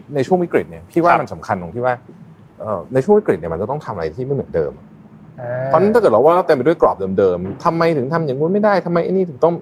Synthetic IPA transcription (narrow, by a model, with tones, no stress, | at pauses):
na˧jt͡ɕʰu˥˩əŋwi˦˥kɾi˨˩t̪̚ni˧˥˩ɐt̪ʰiː˥˩waː˥˩ma˧nsa˩˦mkʰa˧nlo˨˩ŋʰiː˥˩waː˥˩ | ʔɤː˨˩na˧jʰt͡ɕʰu˥˩ə˨wi˦˥kɾi˨˩t̪ni˧˩m˧t͡ɕa˨˩t̪ɔ˥˩ŋt̪ʰa˧ma˧ɾa̰˧jt̪ʰiː˥˩ma˥˩nɯ̰˩˦dɤ̰ː˧mʔa̰˨ | pʰɔ˧˥na˧˦˥t̪a˥kɤː˨˩t̪̚ɔ˧˩wːʔa˧˩t̪ɛː˧˩pa˧du˥˨jklɔː˨˩p̚dɤː˧mdɤː˧mt̪ʰa˧mːa˧jt̪ʰɯ˩˦ŋt̪ʰa˧mja˨˦ŋu˧˥nma˥˩jdaː˥˩jt̪ʰa˧mːa˧jʔa˧˥niː˧˥˩t̪ɯ˩˦ŋt̪ɔ˥˩ŋ